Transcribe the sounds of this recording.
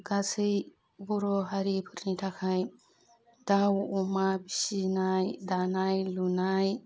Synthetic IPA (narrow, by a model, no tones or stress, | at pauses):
ɡasɯj | bɔɾɔɦaɾipʰɯɾnitʰakʰaj | dawɔmabisinajdanajlunaj